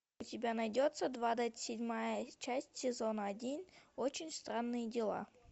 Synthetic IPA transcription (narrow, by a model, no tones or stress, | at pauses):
ʊtʲɪbʲanɐjdʲot̪səd̪vad̪atʲsʲɪdʲmajət͡ɕæsʲtʲsʲɪzo̞nəɐdʲinʲot͡ɕɪnʲst̪ɾanːɨjədʲɪlˠa̰